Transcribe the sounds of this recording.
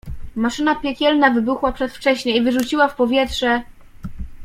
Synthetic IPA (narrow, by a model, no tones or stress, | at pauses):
maʂɘnapʲjɛkʲɛlnavɘbuxwapʂɛt̪ft͡ʂɛɕɲɛivɘʐut͡ɕiwafpɔvʲjɛtʂɛ